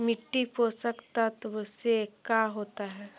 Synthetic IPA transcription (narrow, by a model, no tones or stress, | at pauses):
miʈːiposəkt̪at̪ʋəsekaɦot̪aɦɛ